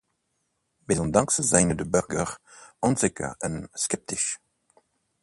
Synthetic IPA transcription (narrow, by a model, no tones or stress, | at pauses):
bezɔ̃ndãŋksəzajnədəbøʁɡəʁ | ɔ̃nzɛkə̰ənskɛp̚tiʃ